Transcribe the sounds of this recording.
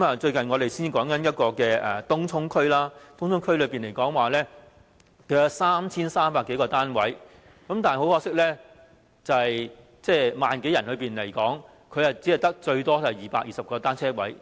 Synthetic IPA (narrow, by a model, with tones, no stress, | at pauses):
kmɐː˨t͡ʃɵ˧ɥkɐ˨nŋɔː˨˧ɾe˨jsiː˥ni˨kɔː˨˥ŋkɐ˨˦njɐ˥t̚kɔː˧kɛː˧ʔɛː˨˩t̪ʊ˥ŋt͡sʰʊ˥ŋkʰɵ˥ɥlaː˥t̪ʊ˥ŋt͡sʰʊ˥ŋkʰɵ˥ɥlɵ˨˧piː˨nle˨˩jkɔː˨˥ŋwaː˨˩lɛː˥ | kɵ˨˧˥jɐ˨˥saː˥mt͡sʰiː˥nsaː˥mpaː˧˥kːe˨˥jkɔː˧t̪aː˥nwɐ˨˥j | kɐ˨˥mt̪aː˨n˨˩ho˨˥whɔː˧˥ksɪ˥k̚lɛː˥ | t͡sɐ˨hɐ˨j | t͡sɛː˥˩maː˨nke˨˥jɐ˨˩nhɵ˨˧ɥpiː˨nle˨˩jkɔː˨˥ŋ | kʰɵ˨˧jhɐ˨wt͡si˨˥ɐ˨jt̪ɐ˥k̚t͡ʃɵ˧ɥt̪ɔː˥tɐ˨jjiː˨˩paː˧k̚jiː˨sɐ˨p̚kɔː˧t̪aː˥nt͡sʰɛː˥wɐ˨˥j